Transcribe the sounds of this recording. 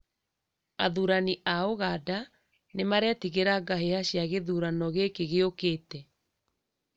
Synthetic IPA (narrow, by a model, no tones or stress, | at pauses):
aðuɾaniʔaoɣada | nemaɾɛtiɣeɾaɡaɦehaɕjaɣeðuːɾanɔɣekeɣeokeːtɛ